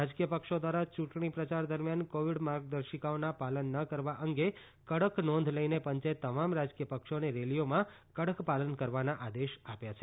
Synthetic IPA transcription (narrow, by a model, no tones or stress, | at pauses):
ad͡ʒkijəpəkʃod̪ʋaɾat͡ʃũʈɳ̃ipɾət͡ʃaɾd̪əɾmjankoʋiɽmaɾɡ̚d̪əɾʃikaonapalənːəkəɾʋaʔəŋɡe | kəɽəknɔ̃nd̪ʱləinepəɲt͡ʃet̪ːəmamɾad͡ʒkijəpəkʃoneɾelijomã | kəɽəkpalənkəɾʋanaʔad̪eʃapjat͡ʃʰe